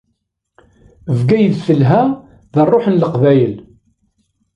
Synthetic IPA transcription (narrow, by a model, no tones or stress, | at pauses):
əvɡæjəðθəlɦæ | ðərˤːoħənləqvæjəl